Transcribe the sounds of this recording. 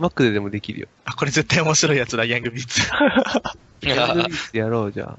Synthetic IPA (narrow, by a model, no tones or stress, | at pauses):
makːɯ̟d̪ed̪e̞mo̞d̪e̞kʲiɾɯ̟jo̰ako̞ɾe̞ze̞t̪ːaiomo̞ɕiɾo̞ijat͡sɨɾajãŋɡɯ̟bʲiːt͡sɨ̥ | jãɡɯiːt͡sjaɾo̞ːd͡ʑa̰ː